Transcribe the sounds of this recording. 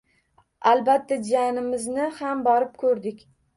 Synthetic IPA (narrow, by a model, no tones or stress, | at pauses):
alˠbat̪ʰːad͡ʒanɪmɪznɪhambɒɾɪp̚kʰɵɾd̪ɪkʲ